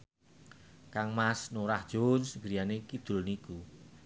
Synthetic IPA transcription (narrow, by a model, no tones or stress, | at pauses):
kaŋmasnoɾahd̥ʒ̥onsŋɡɾijanekid̪̥ʊ̤lniku